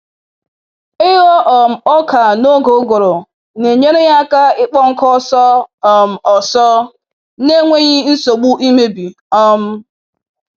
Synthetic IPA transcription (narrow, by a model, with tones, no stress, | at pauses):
ɪ˦ɣɔ˦ʔɔ˨m̩˨ɔ˦kʰa˨no˦ɡo˨˦ɡo˨ɾo˨ | ne˨ɲe˦ɾe˦ja˦ka˦ɪ˦k͡pɔ˦ŋ̩˦kɔ˦sɔ˦˨m̩˨ɔ˨sɔ˦ | ne˦ŋʷe˦ɲi˦n̩˦so˨ɡ͡bu˦ʔi˦me˦bi˨ | ɔ˦m̩˦